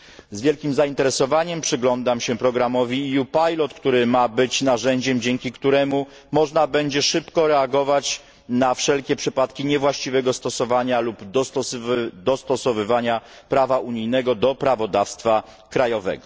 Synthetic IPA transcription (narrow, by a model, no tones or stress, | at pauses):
zvʲjɛlkʲimzaint̪ɛɾɛsɔvaɲɛmpʂɘɡlɔnd̪amɕɛpɾɔɡɾamɔvʲijupajlɔt̪kt̪uɾɘmabɘt͡ɕnaʐɛɲd͡ʑɛmd͡ʑɛŋkʲikt̪uɾɛmu | mɔʐnabɛɲd͡ʑɛʂɘpkɔɾɛaɡɔvat͡ɕ | nafʂɛlkʲɛpʂɘpat̪kʲiɲɛvwaɕt͡ɕivɛɡɔst̪ɔsɔvaɲalub̪ | d̪ɔst̪ɔsɔvɘvaɲa | pɾavauɲijnɛɡɔd̪ɔpɾavɔd̪afst̪fa | kɾajɔvɛ̰ɡɔ